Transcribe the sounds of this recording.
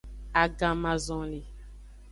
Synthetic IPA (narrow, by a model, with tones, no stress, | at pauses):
a˨ɡã˨mã˨zɔ̃˨li˨